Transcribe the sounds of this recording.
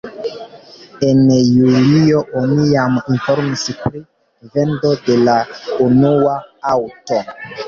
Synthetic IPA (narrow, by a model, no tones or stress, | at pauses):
enjulioʔoniaminfoɾmispɾi | vendo̞de̞launuaawto